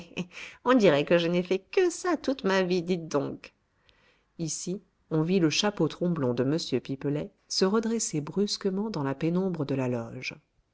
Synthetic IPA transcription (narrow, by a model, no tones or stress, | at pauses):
ɔ̃d̪iʁɛkəʒənɛfɛkəsat̪ut̪mavid̪it̪̚d̪ɔ̃k | isi | ɔ̃viləʃapot̪χɔ̃blɔ̃d̪əməsjøpipəlɛ | səʁəd̪ʁesebʁyskəmɑ̃d̪ɑ̃lapenɔ̃bʁəd̪əlalɔ̰ʒ